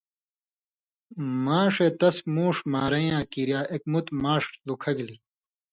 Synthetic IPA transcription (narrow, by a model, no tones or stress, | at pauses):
maːʂet̪ɐsmũːʂmaːɾɐjãːkiɾjaːʔek̚mut̪maːʂlukʰɐɡli